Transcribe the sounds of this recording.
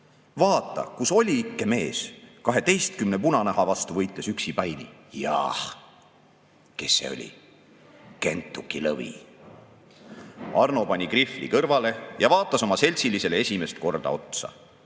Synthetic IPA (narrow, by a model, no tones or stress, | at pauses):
vɑːt̪ːˑɑ̰kuso̞lʲiikːeme̞ːskɑɦe̞t̪e̞jst̪kymnepunɑnæɦɑvɑst̪uvɤjt̪lːˑe̞syksipɑjnijɑ̰h | ke̞sːe̞̰o̞̰lʲḭ | ke̞̰nt̪ːˑukːilɤ̰vḭ | ɑrno̞pɑnʲikriflḭkɤrvɑle̞jɑvɑːt̪ˑːɑso̞mɑse̞lʲsilise̞lee̞sʲime̞st̪̚ko̞rd̪̥ɑ̰o̞̰t̪sɑ̰